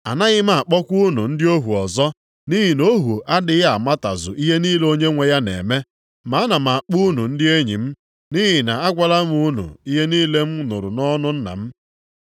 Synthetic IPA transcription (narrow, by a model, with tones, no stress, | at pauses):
a̰˨na˦ɣɪ˦ma˨a˨k͡pɔ˦kʷu˦nu˨n̩˦dɪ˦o˦ɦu˨ɔ˨zɔ˦ | ni˦ɦi˨no˦ɦu˨ʔa˦dɪ˨ja˦a˨ma˦ta̰˨zʊ̰˨ʔi˦ɦe˦niː˦lo˦ɲe˦ŋʷe˨ja˦nḛ˨me˦ | ma˨˦a˦na˨m̩˨a˨k͡pu˦nu˨n̩˦dɪ˦e˦ɲḭ˨m̩˦ | ni˦ɦi˨na˨a˦ɡʷa˨la˦m˦u˦nṵ˨i˦ɦe˦niː˦le˦m̩˦no̰˨ɾu˨nɔ˦nʊ˦n̩˦na̰˨m̩˦